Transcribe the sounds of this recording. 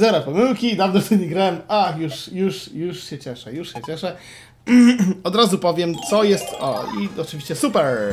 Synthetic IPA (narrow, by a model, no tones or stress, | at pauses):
zɛɾapɔmɘwkʲid̪avnɔft̪ʰɛɲiɡɾawɛmaxjuʂjuʂjuʂɕɛt͡ɕɛʂɛjuʂɕɛt͡ɕɛʂɛ | ɔd̪ɾazupɔvʲjɛmt̪sɔjɛst̪ɔ̰iɔt͡ʂɨvʲiɕt͡ɕɛsupɛɾ